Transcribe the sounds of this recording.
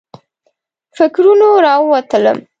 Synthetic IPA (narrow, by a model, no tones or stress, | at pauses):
fɪkɾunoɾɑwat̪ələ̰m